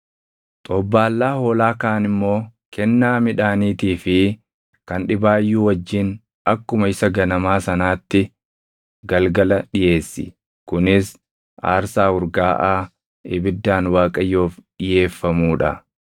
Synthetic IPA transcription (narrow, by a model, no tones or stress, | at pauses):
t̪ʼɔbːaːlːaːhoːlaːkaːnɪmːo̞ːkɛnːaːmɪᶑaːniːt̪iːfɪ | kɐnᶑɪbaːjːuːwɐd͡ʒːɪn | ɐkːʊmɐɪsɐɡɐnɐmaːsɐnaːt̪ːɪ | ɡɐlɡɐlɐᶑɪje̞ːsːɪ̰ | kʊnɪs | ʔa̰ːɾsaːhʊɾɡaːʔaː | ɪbɪd̪ːaːnwaːkʼɐjːo̞ːfɗɪje̞ːfːɐmuːᶑɐ̰